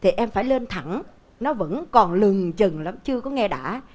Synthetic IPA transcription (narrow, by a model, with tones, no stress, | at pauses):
t̪ʰi˨˩ʔɛ˧mfaː˧˩jle˧nt̪ʰa˧˩ŋ | nɔ˨˦və̰˧˥nkɔ˨˩nlɨ˨˩ŋt͡ɕə˨˩ŋla˨˦mt͡ɕɨ˧əkɔ˨˦ŋɛ˧ɗa̰ː˧˥